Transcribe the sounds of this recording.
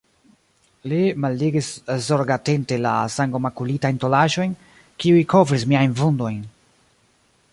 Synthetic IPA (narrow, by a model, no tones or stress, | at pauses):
limaldiɡiszoɾɡate̞nte̞la̰saŋɡomakulitajnto̞laʒo̞jn | kiujkʰo̞vɾis̬miajnvundo̞jn